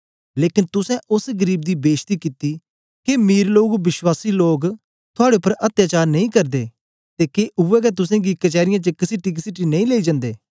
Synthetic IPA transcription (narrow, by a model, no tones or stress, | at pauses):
leːkɪnt̪ʊsɛ̃ʔʊsɡəɾiːb̚d̪iːbeːʃt̪iːkɪt̪iː | kemiːɾloːɡʋɪswaːsiːloːɡ | t̪ʰʊaːɽepəɾʔɐt̪jaːt͡ʃaːɾnɐĩːkɐɾd̪ḛː | t̪eːkeʔʊɛːkɛt̪ʊsɛ̃ɡikət͡ʃɛːɾɪjãːt͡ʃəkɪsɪʈːiːk̬ɪsɪʈinɐ̃ĩleːid͡ʒãːnd̪eː